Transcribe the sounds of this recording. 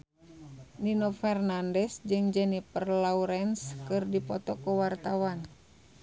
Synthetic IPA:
ninɔfɛrnandɛsd͡ʒɨŋd͡ʒɛnipərlauɾɛnskɨrdipɔt̪ɔkuwart̪awan

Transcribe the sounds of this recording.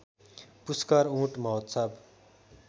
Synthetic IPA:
puskaɾũʈmʌɦot̪sab

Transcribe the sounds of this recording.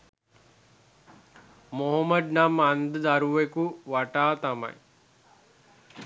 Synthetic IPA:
moɦəməd̪namand̪əd̪aɾuʋekuʋaʈaːt̪amɐ̰j

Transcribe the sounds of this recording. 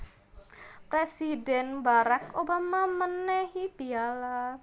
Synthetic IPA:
pɾesidɛnbaɾakobamamənɛɦibiala

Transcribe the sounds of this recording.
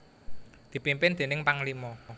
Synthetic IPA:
d̪̥i̤pimpɪnd̪̥e̤nɪŋpaŋlimɔ

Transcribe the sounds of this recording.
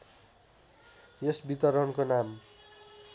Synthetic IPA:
jesbit̪ʌɾʌnkonam

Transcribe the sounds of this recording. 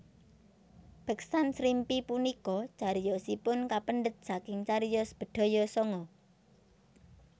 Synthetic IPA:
b̥ə̤ksansɾimpipunikɔt͡ʃaɾijɔsipʊnkapəndɖət̪̚sakɪŋt͡ʃaɾijɔsə̥b̥ə̤d̪̥ɔ̤jɔsɔŋɔ

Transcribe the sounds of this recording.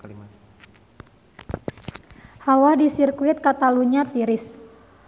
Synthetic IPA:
hawadisirkuɪt̪̚kat̪aluɲat̪iɾɪs

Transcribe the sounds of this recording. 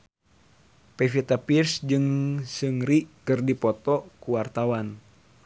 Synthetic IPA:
pɛfit̪apirsd͡ʒɨŋsɨŋɾikɨrdipɔt̪ɔkuwart̪awan

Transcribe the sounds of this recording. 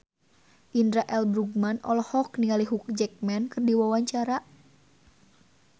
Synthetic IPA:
ʔindɾaʔɛlbɾuɡmanɔ̰lɔhɔk̚niŋaliɦuk̚d͡ʒɛk̚mɛnkɨrdiwawaɲt͡ʃaɾa

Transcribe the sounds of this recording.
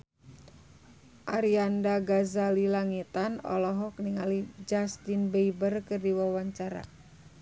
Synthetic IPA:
ʔaɾiandaɡazalilaŋit̪anɔ̰lɔɦɔkniŋalid͡ʒast̪inbeibərkɨrdiwawaɲt͡ʃaɾa̰

